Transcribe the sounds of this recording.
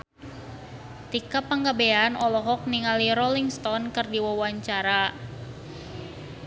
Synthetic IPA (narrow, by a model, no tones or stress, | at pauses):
t̪ikapəŋɡabeanɔlɔɦɔk̚niŋaliɾɔliŋst̪ɔnkɨrdiwawaɲt͡ʃaɾa